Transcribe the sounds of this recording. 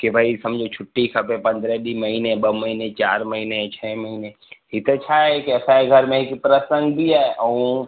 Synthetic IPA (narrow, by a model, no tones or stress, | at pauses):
kibʱaːisɐmd͡ʒʱot͡ʃʰʊʈːikʰɐpepɐ̃nd̪ɾɛɖ̪iməɦineb̪əməɦinet͡ʃaːɾməɦinet͡ʃʰɛːməɦine | ɦit̪et͡ʃʰaɛkɛːsaɦɛɡʱəɾmẽɦikpɾəsə̃ŋɡb̪iɛʔɐũ